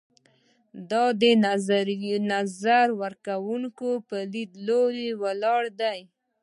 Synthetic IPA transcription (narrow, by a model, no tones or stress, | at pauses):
d̪ɑd̪ə | nazaɾwəɾkawuŋkopəlid̪loɾewalɑɽd̪aj